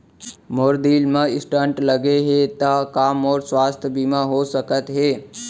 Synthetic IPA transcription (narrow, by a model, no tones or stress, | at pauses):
moːɾd̪iːlmãɪsʈãɳʈləɡeɦet̪akaːmɔːɾswaːst̪ʰbiːmãɦosəkət̪ɦeː